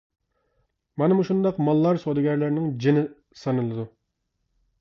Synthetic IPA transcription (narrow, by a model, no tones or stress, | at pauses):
mɑnɨmuʃund̪ɑqmɑlˠːɑɾsod̪ɨɡʲɛɾlɪɾnɪŋd͡ʒinɪ | sɑnɨlˠɨd̪u